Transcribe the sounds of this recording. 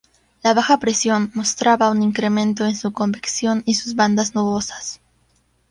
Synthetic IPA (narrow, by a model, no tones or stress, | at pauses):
laβaxapɾe̞sjo̞nmo̞st̪ɾaβauniŋkɾe̞mẽ̞nt̪o̞ensuko̞mbiksjo̞nisuzβand̪aznuβo̞sḁs